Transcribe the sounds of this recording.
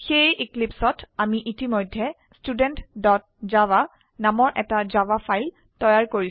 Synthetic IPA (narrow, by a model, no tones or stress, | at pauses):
xejʔiklipsɔtamiʔitimɔjdʱːɛ | studɛntdɔt̚ | zawa | namɔɹʔɛtazawafʰajl | tɔjaɹkoɹi